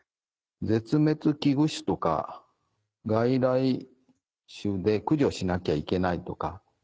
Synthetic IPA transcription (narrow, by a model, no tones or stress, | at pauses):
d͡ze̞t͡sɨme̞t͡sɨkʲiɡɯ̟ɕi̥t̪o̞ka̰ | ɡaiɾai | ɕɨd̪e̞kɯ̟ʑo̞ɕinakʲaike̞nait̪o̞ka